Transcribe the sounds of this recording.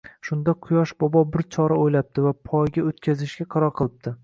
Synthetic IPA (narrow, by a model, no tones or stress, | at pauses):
ʃʊnd̪aqʰʊjɒʃbɒbɒbɪɾt͡ʃʰɒɾaojlap̚t̪ɪvapʰɒjɡʲaot̪kʲʰazɪʃɡʲaqʰɑɾɒɾqʰɨlˠɪp̚t̪ʰɪ